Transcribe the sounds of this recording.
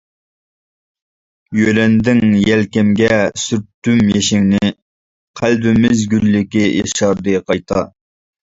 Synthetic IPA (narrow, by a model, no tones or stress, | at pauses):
jøɾɛnd̪ɪŋjɛlkʲɛmɡʲɛsyɾt̪ːymjeʃɪŋnɪ | qʰælbɪmɪzɡʲylːɪkʲijeʃɑɾd̪ɨqʰɑjt̪ʰɑ